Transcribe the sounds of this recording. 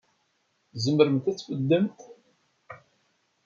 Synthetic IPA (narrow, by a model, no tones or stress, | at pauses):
zəməɾəmt̪æt͡sːfəd̪ːəmt